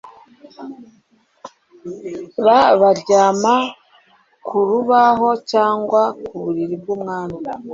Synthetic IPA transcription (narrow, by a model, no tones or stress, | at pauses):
βaβaɾɟaːma | kʰuɾuβaɦo̞caːŋɡwakuβuɾiɾibɡuːmŋaːna